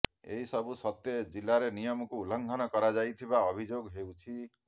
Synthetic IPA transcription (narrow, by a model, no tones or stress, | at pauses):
ḛɦisɔbʱusɔt̪jed͡ʒilːaɾenijɔmɔkuːlɔŋɡʱɔnɔkɔɾad͡ʒajt̪ʰibaɔbʱid͡ʒoɡɦewt͡ʃʰi